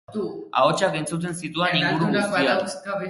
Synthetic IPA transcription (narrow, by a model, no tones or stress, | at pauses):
a̰ot͡ʃake̞nt͡sut̪̬e̞nsit̪ueniŋɡuɾuɣust̪ia